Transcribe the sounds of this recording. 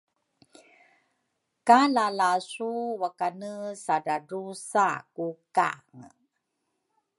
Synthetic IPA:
kalalasuwakanəsaɾaɾusakuka̰ŋə

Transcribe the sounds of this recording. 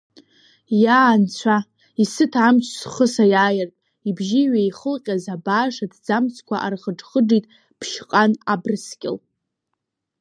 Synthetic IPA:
jant͡ɕʷʰa | isɨtʰamt͡ʃʰsχəsajaːjɪrtʼ | ibʒiɥejχəlqʲʼazabaːʂadd͡zamt͡sʰkʷʰaʔarχəʈ͡ʂχəɖ͡ʐitʼ | pʰʃqʼanabrɨskʲʼɪ̰l

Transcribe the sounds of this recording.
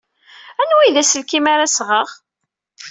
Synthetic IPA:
ænwijðæsəlkimaɾasʁəʁ

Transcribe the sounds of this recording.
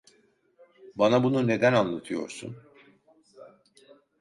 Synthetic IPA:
banabunune̞d̪ænanlˠat̪ʰɯjo̞̰ɾsṵn

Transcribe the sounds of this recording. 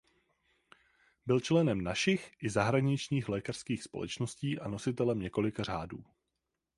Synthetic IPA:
bɪlt͡ʃlɛnɛmnaʃɪxʔɪzaɦɾaɲɪt͡ʃɲiːxlɛːkar̥skiːxspo̞lʔɛ̰t͡ʃno̞sciːʔano̞sɪt̪ɛlɛmɲɛko̞lɪkar̝aːduː

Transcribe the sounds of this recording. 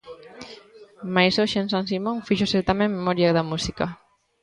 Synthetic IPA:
majsoʃensans̬imõŋfiʒosɛɾt̪amẽmmːemɔɾjaðamusika

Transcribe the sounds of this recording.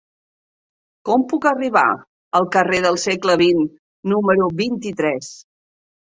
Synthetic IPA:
kɔmpukəriβa̰ | əlˠkəreðəlˠsɛkləβinː | uməɾuβint̪it̪ɾɛs

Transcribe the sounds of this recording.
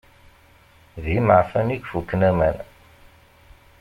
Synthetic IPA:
ðiməʕfæniɡfukːnæmæn

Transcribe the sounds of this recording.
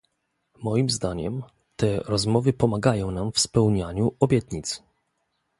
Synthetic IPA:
mɔjimzd̪aɲɛ̰m | t̪ɛɾɔzmɔvɘpɔmaɡajɔ̃w̃namfspɛwɲaɲuɔbʲjɛt̪ɲit̪s

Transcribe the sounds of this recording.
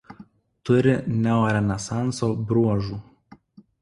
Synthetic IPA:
t̪ʊɾʲɪnʲɛɔɾʲɛnʲɛsɑˑnˑsoːbɾuɔʒuː

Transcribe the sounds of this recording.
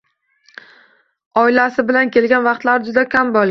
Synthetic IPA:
ɒɪlasɪbɪlankʲe̞lɡʲanvɑqt̪laɾɪd͡ʒʊd̪akʲʰambɒlˠʲ

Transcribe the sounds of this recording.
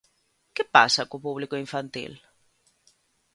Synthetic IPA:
kɪpa̰sakʊpuβlikʊiɱfant̪ḭl

